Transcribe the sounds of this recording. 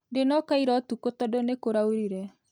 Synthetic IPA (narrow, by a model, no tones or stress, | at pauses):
ndenɔkaiɾɔtukotɔdonekoɾaoɾiɾɛ